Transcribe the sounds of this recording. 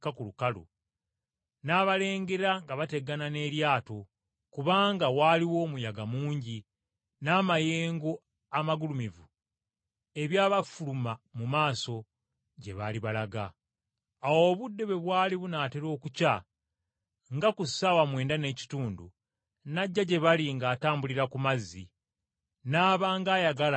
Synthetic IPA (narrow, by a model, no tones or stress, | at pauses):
kakulukalṵ | naːβale̞ːŋɡeɾaŋɡaβate̞ɡanane̞ːɾjaːto | kuβaːŋɡawaːliwo̞ːmujaɡamuːɲɟi | naːmaje̞ːŋɡo̞ | amaɡulumivu | e̞βjaːβafulumamumaːso̞ | ɟe̞βaliβalaɡaː | wo̞ːβudːe̞βwe̞βwaːliβunaːteɾo̞ːkuca | ŋɡakusawamwe̞ːndane̞ːci̥tuːndṵ | naɟːaɟe̞βaliŋɡaːtaːmbuliɾakumazːḭ | naːβaːŋɡaːjaɡala